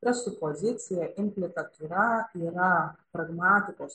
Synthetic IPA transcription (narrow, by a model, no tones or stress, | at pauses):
pɾest̪upozit͡siɐʔinplit̪ɐt̪uɾaiɾɐpɾɐɣmɐt̪ipos